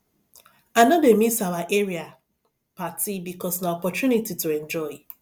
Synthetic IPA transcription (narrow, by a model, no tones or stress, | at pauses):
anademisawaʔeɾia | patʰibikɔsnaɔpɔtjunitituɛ̃nd͡ʒɔɪ